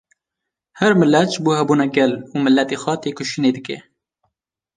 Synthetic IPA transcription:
hɛɾmɨlːɛt̪ʒbuːhɛbuːnɛɡɛluːmɨlːɛt̪eːxʷɛt̪eːkʰʊʃineːd̪ɨkɛ̰

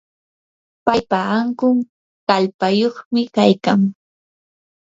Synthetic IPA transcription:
pajpaːŋkʊŋ | kalpajoχmɪkajkaŋ

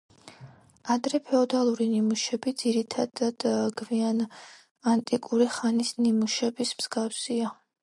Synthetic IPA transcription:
ad̪ɾɛpʰɛɔd̪alˠuɾinimuʃɛbid̪ziɾit̪ʰad̪ad̪̥ɡvian | ant̪ʼikʼuɾiχanisnimuʃɛbismz̥ɡafsia

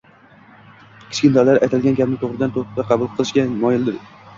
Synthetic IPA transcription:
kʲʰɪ̥t͡ʃkʲɪnt̪ʰɒɾlaɾajt̪ʰalɡʲanɡʲapnɪt̪ʰoʁɾɪd̪ant̪ʰot̪aqʰɑbʊlˠqʰɨlˠɪʃkʲamɒjɪlˠd̪ɪɾ

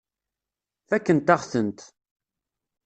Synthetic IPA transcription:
θækːənt̪aʁθənt̪

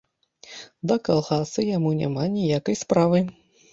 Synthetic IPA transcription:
d̪ɐkalˠɣasɨjamunʲa̰manʲijakɐjspɾavɨ

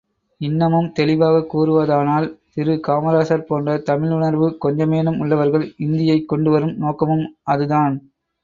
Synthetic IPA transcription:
ɪnːɐmɯmt̪ɛlɪʋaːɣɐkuːɾɯʋɐðaːnaːlt̪ɪɾɯkaːmɐɾaːsɐɾpoːndrɐt̪ɐmɪlʊɳɐɾʋɯkɔɲd͡ʒɐmeːnɯmʊɭːɐʋɐɾɣɐɭɪnd̪ɪjɐɪkːɔɳɖɯʋɐɾɯmnoːkːɐmɯmɐðɯðaːn

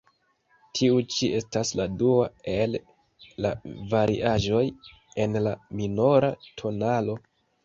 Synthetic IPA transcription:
tʰiut͡ʃiʔe̞stasladuae̞lː | a̰vaɾʔḭʔaʒo̞j | e̞nlamino̞ɾatʰo̞nalo̞

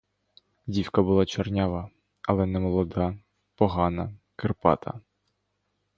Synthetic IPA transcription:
dʲiwkɐbʊlˠɑt͡ʃɐrnʲaʋɐ | ɐlˠɛnɛmɔlˠɔd̪ɑ | pɔɦɑnɐ | kerpɑ̰t̪ʰɐ̰

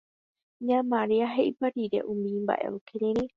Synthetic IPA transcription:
ɲãmãɾiaɦe̞ʔipaɾiɾḛʔũmĩmba̰ʔe̞̰ʔokʰeɾeɾe

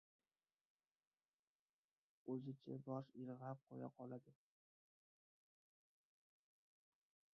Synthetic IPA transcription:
ɵzɪt͡ʃʰa̰bɒʃɪɾʁap̚qʰoja̰qʰɒlad̪ɪ

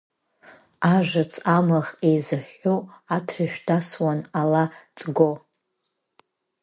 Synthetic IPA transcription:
aʐɨt͡sʰʼamaʁejzɨħuatʰrɨʃᶣdaswanalat͡sʼɡo

